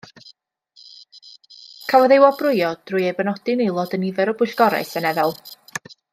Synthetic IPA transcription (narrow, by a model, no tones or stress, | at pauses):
kʰawɔðewɔbrʊɨɔd̥rʊjejbənɔdɨnelˠɔdənivɛɾɔbʊɬɡ̥ɔɾa̰ɨsənɛðɛlˠ